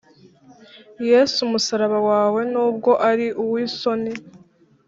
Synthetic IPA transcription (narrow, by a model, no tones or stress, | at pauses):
je̞ːsumusaɾaβawaːwe̞nuːb̚ɡo̞ʔaɾiʔuwiːso̞ni